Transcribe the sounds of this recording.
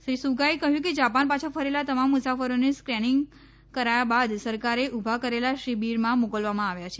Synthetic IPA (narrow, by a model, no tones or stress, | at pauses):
ʃɾisuɡaekəɦjũked͡ʒapanpat͡ʃʰafʰəɾelat̪əmamːusafəɾoneskɾɛnɪŋɡ | kəɾajabad̪səɾkaɾeʔubʱakəɾelaʃibiɾmãmokəlʋamãaʋjat͡ʃʰe